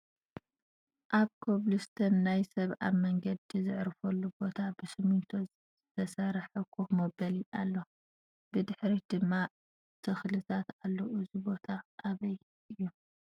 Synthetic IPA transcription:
ʔaβkʰoβlust̪ʰɐnːajsɐβʔa̰mɐŋɡɐd̪izɨʕɾfɐlːubo̞t̪ʰabɨsɨmunt̪ʰo | z̥ɨt̪ʰɐsɐɾħɐkʰːumɐbɐlialːo | b̥ɨd̪ɨħɾid̪̥ɨmːa | t̪ʰɨxlɨt̪ʰat̪alːɐʔɨzibo̞t̪ʰaʔːβɐj | ʔɨjːu

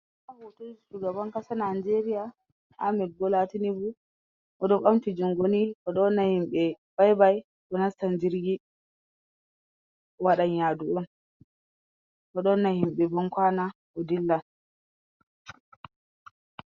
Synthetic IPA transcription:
abotod͡ʒit͡ʃuɡabaŋkasanand͡ʒeɾija | ʔa̰mɛɡɔlatinibu | ʔɔɗɔɓamtid͡ʒuŋɡonikɔɗɔnːahimɓɛb̥ajbaj | ɗɔnastand͡ʒiɾɡi | waɗaɲjaduɔn | ʔɔɗɔnːahimɓɛbɔŋkwana | ɔdilːa

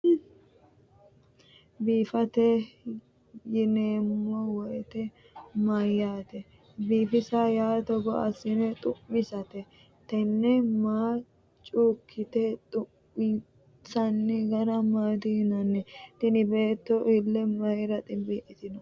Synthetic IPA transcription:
biːfɐt̪ɛ | jɪneːmːɔwɔjɛt̪ɛ | mɐjːaːt̪ɛ | biːfɪsajaːt̪ɔɡɔʔɐ̰sɪnɛt̪ʼʊmːɪsɐt̪ɛ | t̪ɛnːɛmaː | t͡ʃʼuːkʰːɪt̪ɛt̪ʼʊ | ɪ | sɐnːɪɡɐɾɐmaːd̪ɪnɐnːɛt̪ɪnɪbe̞ːt̪ːɔʔɪlːɛmɐɾɐt̪ʼɪbiʔɪt̪ɪnɔ

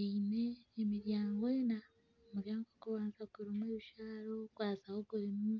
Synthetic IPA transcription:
eineːmiɾjaːŋɡoena | muɾjaːŋɡokuβaːnzakuɾimweβiʃaːɾokwaːzahoɡuɾimu

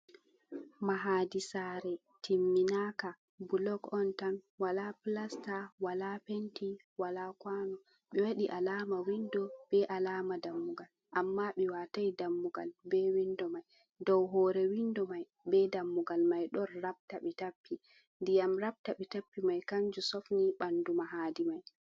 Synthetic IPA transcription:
maɦaːdisaːɾɛ | timːinaka | bulɔɡɔntanwalaplastawalapenti | walakwaːnɔ | ɓɛwaɗiʔalamawindɔb̥ɛʔalaːmadamːuɡal | ʔamːaɓɛwatajdamːuɡa̰lbɛwindɔmaj | dɔwɦɔːɾɛwindɔmaj | bɛdamːuɡalmajɗɔnɾab̚taɓɛtapːi | ndijamɾab̚taɓɛtapːimajkaɲd͡ʒusɔfniɓandumaɦaːdimaj

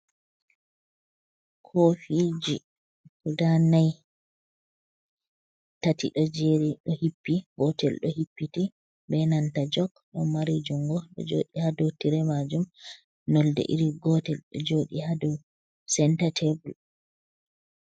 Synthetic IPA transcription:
kʰofid͡ʒi | kudanaj | tatḭɗɔd͡ʒeɾiɗɔhipːiɡɔtɛlɗɔhipːiti | bɛnantad͡ʒɔɡɗɔmaɾid͡ʒuŋɡɔɗɔ̰d͡ʒo̰ːɗihadutiɾɛmad͡ʒum | nɔldɛ̰ʔḭɾiɡɔtɛlɗɔ̰d͡ʒoɗihadɔw | sɛntatʰɛbul

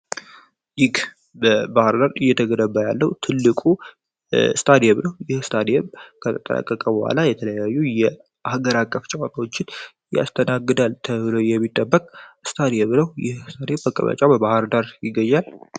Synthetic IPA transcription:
jɪɡ | bəbahɾd̪aɾɨjːɛt̪ʰəɡədəbːəjalːəwt̪ʰɨlːɨkʼu | st̪ʰad̪ijɛβnəwjɪhst̪ʰad̪ijɛmkʰət̪ʰət̪ʼə̰nə̰kʼːəkʼəbəhʷa̰lajɛt̪ʰələjajːujɛ | ʔahɡəɾakʼːəft͡ʃʼawat̪awot͡ʃːɪn | ja̰st̪ʰənaɡːɨd̪alt̪ʰəβɨləwjɛmːit̪ʼːəbːəkʼst̪ʰad̪ijɛmnəwjɪ̰hst̪ʰad̪ijɛmbəkʼə̰βə̰t͡ʃʼabəbahɨɾd̪aɾjɪɡːəɲːal

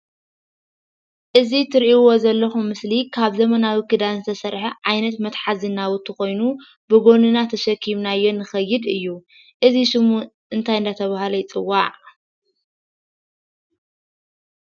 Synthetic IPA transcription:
ʔɨzit̪ʰɨɾʔiwo̞zɐlːɐxumːɨslikʰaβzɐmɐnawikʰɨd̪anzɨt̪ʰɐsɐɾħɐʕajnɐt̪mɐt̪ħazɨnːawut̪ʰːɨxo̞jnu | bɨɡo̞nɨnat̪ʰɐʃɐkʰiβnajːo̞nːɨxɐjːɨd̪ɨjːu | ʔɨziʃɨmuʔɨnt̪ʰajɨnd̪at̪ʰɐβaɦlɐjt͡sʼɨwːaʕ

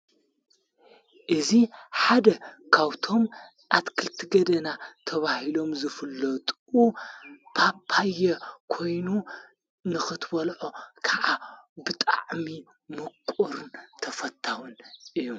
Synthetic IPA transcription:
ʔɨziħad̪ɐkʰaβt̪ʰo̞m | ʔat̪kʰɨlt̪ʰɨɡɐd̪ɐnat̪ʰɐβahilo̞mzɨfɨlːɐt̪ʼ | upʰapʰajːɐkʰo̞jnu | nɨxɨt̪bɐlʕokʰaʕabɨt̪ʼa̰ʕmi | mɨkʷʼːuɾɨnt̪ʰɐfɐt̪ʰːawɨnʔɨjːu

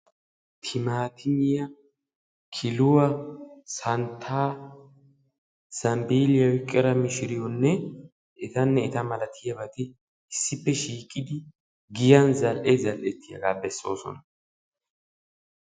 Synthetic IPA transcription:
t̪ʰɪmaːt̪ʰɪnɪjɐ | kʰɪlʊwɐsɐnt̪ʰːaː | sɐmbiːlɪjɐwɪkʼːɛɾɐmɪʃɪɾɪjɔnːɛ | ʔɛt̪ɐnːɛːt̪ɐmɐlɐt̪ʰɪjɐbɐt̪ɪ | ɪsːɪpːɛʃiːkʼːɪd̪ɪ | ɡɪjɐnzɐlʔezɐlʔɛt̪ːɪjɐ̰ɡaːbɛsːo̞ːsɔ̰nɐ

